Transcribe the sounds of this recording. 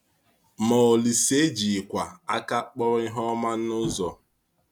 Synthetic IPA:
mɔ˨o˨li˨se˦d͡ʒi˨kʷa˨a˦ka˦k͡pɔ˦ɾɔ˦i˦ɦɔ˦ma˦n̩˦nʊ˦zɔ˨

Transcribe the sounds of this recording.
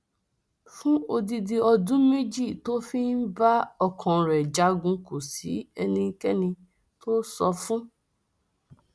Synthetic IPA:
fũ˦o˧di˧di˧ɔ˧dũ˦me˦d͡ʒi˦˨to˦fi˦n̩˦ba˦ɔ˦˨kʰɔ̃˨ɾɛ˨d͡ʒa˨˦ɡũ˧ko˨si˨˦ɛ˧nĩ˧˦˧kɛ˦nĩ˧ | to˦sɔ˧fũ˦

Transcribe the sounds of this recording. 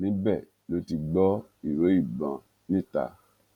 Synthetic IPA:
nĩ˨˦bɛ˦˨ | lo˧˦ti˧ɡ͡bɔ˦ | i˨ɾo˨˦i˦˨bã˧ | nĩ˦˨ta̰˧˨

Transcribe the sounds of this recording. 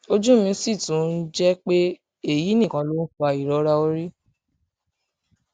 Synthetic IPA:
o˦d͡ʒũ˦mĩ˧˦si˦˨tũ˨˦n̩˦d͡ʒɛ˦k͡pe˦ | e˦˨ji˨˦nĩ˦˨kã˨˦lo˦n̩˦fɔ˦a˨i˨ɾɔ˨˦ɾa˧o˧˦ɾi˦

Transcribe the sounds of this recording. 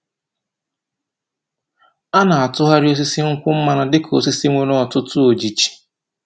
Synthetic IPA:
a˦na˨a˨tʊ˦ɦa˦ɾɪ˦o˦s̬i˦si˦ŋ̩˦kʷʊ˦m̩˦ma˦˨na˨dɪ˦kʰo˨si˦si˦ŋʷe˨nɔ˦ɔ˨tʊ˦tʊ˦o˨d͡ʒi˨t͡ʃi̥˨

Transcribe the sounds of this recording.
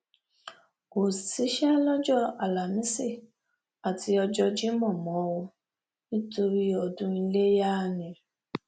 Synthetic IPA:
o˨si˨˦ʃɛ˦lɔ˦d͡ʒɔ˦˨a˨la˨mĩ˦si˦˨ | a˨ti˧ɔ˧d͡ʒɔ˧d͡ʒi˦mɔ̃˦˨mɔ̃˨˦wo˧ | nĩ˦to˧ɾi˦ɔ˧dũ˧i˧le˦ja˦˨nĩ˨

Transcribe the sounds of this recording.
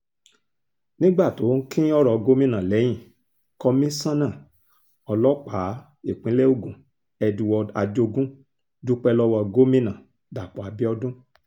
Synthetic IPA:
nĩ˦ɡ͡ba˦˨to˨˦ŋ̩˦kĩ˦ɔ˦ɾɔ˧ɡo˦mĩ˦nã˨lɛ˨˦j̃ĩ˦˨ | kɔ˧mĩ˦sã˦nã˦˨ | ɔ˧lɔ˦k͡pa˨˦ | e˦˨k͡pĩ˨˦lɛ˦o˦˨ɡũ˨ | ɛ˧dũ˧wɔ˧a˧d͡ʒo˧ɡũ˦ | d͡ʒu˦k͡pɛ˧lɔ˦wɔ˧ɡo˦mĩ˦nã˨ | da˨k͡pɔ˨a˨bi˦ɔ˧dũ˦

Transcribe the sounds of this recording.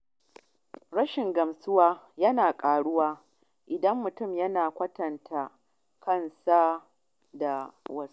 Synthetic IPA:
ɽɐ˦ʃɪ˨ŋɡɐ˨msʊ˦waː˦jɐ˦naː˨kʼaː˨ɽʊ˦waː˦ | ʔɪ˨dɐ˦mːʊ˨tʊ˦˨mjɐ˦naː˨kʷɐ˦tɐ˨ntʰa˨ | kʰɐ˦˨nsa˦ | da˨wɐ˦s

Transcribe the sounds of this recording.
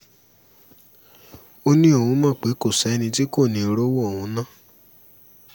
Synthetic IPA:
o˦nĩ˦o˦˨hũ˧mã˦˨k͡pe˨˦ko˦˨sɛ˨˦nĩ˧ti˦ko˦˨nĩ˨˧˨ɾo˦wɔ˦˨hũ˧˦nã˦˨

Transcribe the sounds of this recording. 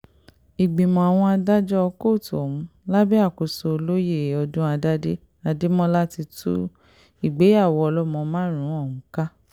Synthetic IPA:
i˨ɡ͡bĩ˨mɔ̃˨a˨w̃ɔ̃˧a˧da˦d͡ʒɔ˦ɔ˧ko˦˨tu˨ɔ˨ũ˨˦la˦bi˦a˦˨ko˨so˨˧o˧lo˦je˦˨ɔ˧dũ˦a˧da˦de˦ | a˧de˦mɔ̃˦la˦ti˧tʰṵ˦ | i˨ɡ͡be˨˦a˦˨wɔ˨˧ɔ˧lɔ˦mɔ̃˧mãː˦ɾ̃ũ˨˦ɔ˦˨ũ˨˦ka˦

